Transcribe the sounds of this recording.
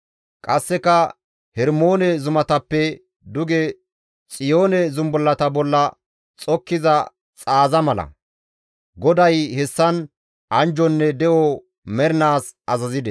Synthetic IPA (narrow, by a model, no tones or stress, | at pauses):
kʼɐsːɛkɐ | hɛɾmoːnɛzʊmɐt̪ɐpːɛ | d̪ʊɡɛ | t͡sʼɪjo̞ːnɛzʊmbɔlːɐt̪ɐbɔlːɐ | t͡sʼɔkːɪzɐ | t͡sʼaːzɐmɐlɐ̰ | ɡɔd̪ɐjhɛsːɐn | ʔɐnd͡ʒɔnːɛd̪ɛʔɔ | mɛɾɪnaːsʔɐzɐzɪd̪ɛ